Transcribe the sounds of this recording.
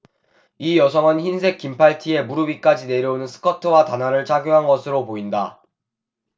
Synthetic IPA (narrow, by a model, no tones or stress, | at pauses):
ijʌsʰʌŋɯnçinsʰe̞k͈impʰaɭtʰie̞muɾɯbik͈ad͡ʑine̞ɾjʌunɯnsʰɯ̥kʰʌtʰɯwatanaɾɯɭt͡ɕʰaɡjoɦanɡʌsʰɯɾopoinda